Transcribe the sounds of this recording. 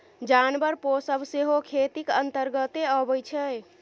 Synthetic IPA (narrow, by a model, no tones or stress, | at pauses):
d͡ʒanbəɾposəbseɦokʰet̪ikənt̪əɾɡət̪eəbəjt͡ʃʰɛj